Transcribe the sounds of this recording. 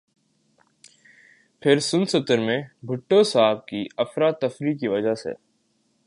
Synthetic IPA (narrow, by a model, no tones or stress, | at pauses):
pʰɪɾsʊnsʊt̪əɾmẽbʱʊʈːosaːb̚kiɐfɾaːt̪ːɐfɾikiʋɐd͡ʒasḛ